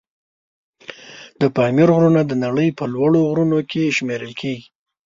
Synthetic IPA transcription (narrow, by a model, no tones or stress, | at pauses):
d̪̥əpɑmiɾɣɾunad̪ənaɽəjpəlwaɽoɣɾunokʰeʃmeɾəlkʰeɡi